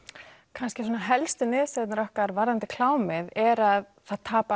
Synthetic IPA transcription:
kʰanscɪsoːnaɦɛlst̪ʏnɪðsɛt̪nɾɔhkaɾvaɾðant̪ɪkʰlaːwmɪðɛɾað | θaðt̪ʰaːpa

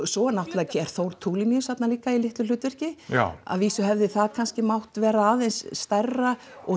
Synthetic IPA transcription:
sɔːɛnawht̪laːcʰɪɛɾ̥θowɾt̪ʰuːlɪmjisat̪naliːkailɪht̪lʏlʏːt̪vɛr̥cɪa̰ðviːsʏɦɛvðɪθaðkʰanscɪmawht̪vɛːɾaaːðejnsːt̪arːa | ɔ

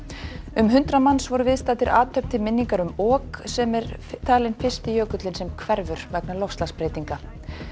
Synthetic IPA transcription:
ʏmɦʏnt̪ɾamansvɔɾʏvɪðst̪aːt̪ɪɾʔaːt̪ʰœp̚t̪ʰɪmɪnːiŋkaɾʏmɔːksɛmɛɾt̪ʰaːlɪnfɪrst̪ɪjœːkʏt̪lɪnsɛmkʰvɛɾvʏɾ̥vɛknalowst̪laspɾeːjt̪iŋka

